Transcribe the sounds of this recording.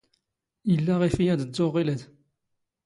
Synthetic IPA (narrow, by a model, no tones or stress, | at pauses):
əlːaʁifijæd̪əzːoʁːiləd̪